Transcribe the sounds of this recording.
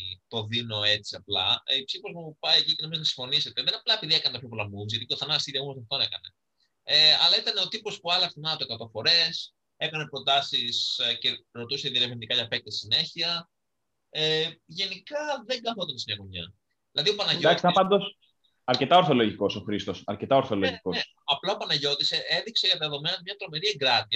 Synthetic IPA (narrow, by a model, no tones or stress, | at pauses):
t̪o̞ðino̞e̞t͡siɐplɐ̰ipsifo̞zmupɐjecicenomiznɐsĩɱfo̞nise̞t̪eðenɐplɐepiðie̞kɐnt̪ɐpçopolɐmbuðizʝɐt̪it̪oθɐnɐst̪iɾiɐɣomɐsɐft̪one̞kɐne̞ | eɐlɐit̪ɐne̞o̞t̪ipo̞spuɐlɐkst̪onɐt̪oe̞kɐt̪o̞fo̞ɾe̞s | e̞kɐne̞pɾo̞t̪ɐsisce̞ɾo̞t̪use̞ðieɾevind̪ikɐʝɐpek̚t̪essine̞çiɐ | eʝe̞nikɐðe̞ŋɡɐθot̪ɐnsmɲɐkoɲɲɐ̰ | ðilɐðio̞pɐnɐʝodaspɐnd̪os | ɐɾce̞t̪ɐo̞ɾθo̞lo̞ʝiko̞soxɾist̪o̞sɐ̰ɾcet̪ɐo̞ɾθoloʝkoe | ɐplɐopɐnɐʝo̞t̪ise̞eðikseʝɐt̪ɐðeðo̞me̞nɐt̪mɲɐt̪ɾo̞me̞ɾieɡɾɐt̪iɐ